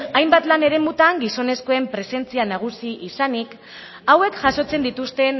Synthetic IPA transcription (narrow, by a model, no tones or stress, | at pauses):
ajmbat̪lane̞ɾe̞mut̪aŋɡiso̞ne̞sko̞e̞mpɾe̞se̞nt͡sianaɣ̞usiʔisanik | awe̞kʝaso̞t͡se̞nd̪it̪ust̪e̞n